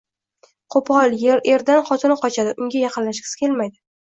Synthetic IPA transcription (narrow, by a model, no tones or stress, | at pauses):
qʰopʰɒlˠjeɾe̞ɾd̪anχɒt̪ʰɪnqʰɒt͡ʃʰad̪ɪʔʊŋɡʲajɑqʰɨnlaʃkʲɪ̥skʲʰe̞lmajd̪ɪ